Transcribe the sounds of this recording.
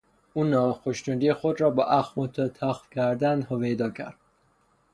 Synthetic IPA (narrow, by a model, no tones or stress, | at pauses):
uːnɒːxoʃt̪und̪iexod̪ɾɒːbɒʔæxmot̪ʰːt̪ʰæxfkʰæɾd̪ænhoved̪ɒːcʰæ̰ɾd̪̥